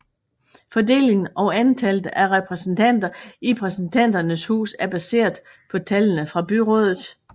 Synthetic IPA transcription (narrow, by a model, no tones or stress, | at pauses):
fɒ̽de̝̰ːle̝ŋn̩ɒ̽ʊænt͡sʰæld̥əʔæʁɛpʰʁɛsn̩t͡sʰæn̰d̥ɐipʰʁɛsn̩t͡sʰæn̰d̥ɐnəshṵːsæɐb̥æse̝̰ːɐðˠ | pʰɒ̽t͡sʰælənəfʁɑ̈b̥yʁɔ̽ːð̞ˠð̩ˠ